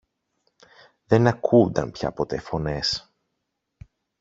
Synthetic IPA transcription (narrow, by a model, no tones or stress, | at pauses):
ðe̞nɐkʰund̪ɐ̰npçɐ̰po̞t̪e̞fo̞ne̞s